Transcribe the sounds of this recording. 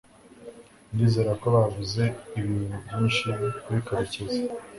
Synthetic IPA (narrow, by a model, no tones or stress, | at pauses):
ndiːze̞ɾako̞βavuze̞iβinuiːnʃikuβikaɾiceze